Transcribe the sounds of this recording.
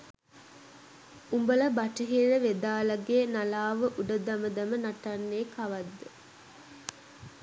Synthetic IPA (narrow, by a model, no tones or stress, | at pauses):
umbələbaʈəɦiːɾəʋed̪aːlɐɡeːnalaːʋəʔuɖəd̪ɐməd̪ɐmənaʈanːeːkaʋad̪ːə